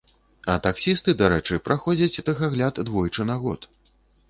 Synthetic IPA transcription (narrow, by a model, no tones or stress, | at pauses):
ɐt̪aksʲist̪ɨd̪aɾɛt͡ʂɨjpɾʔaxɔd͡zʲɐt͡sʲt̪ɐɣaɣlʲat̪d̪vɔjt͡ʂɨnaɣɔ̰t̪